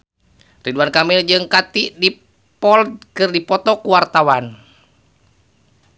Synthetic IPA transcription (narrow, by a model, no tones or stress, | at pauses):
riduankamild͡ʒɨŋkat̪iʔdi | pɔldkɨrdipɔt̪ɔkuwart̪awan